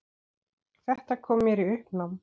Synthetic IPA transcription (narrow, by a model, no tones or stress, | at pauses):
θɛht̪akʰɔːmjɛɾiʏhpnam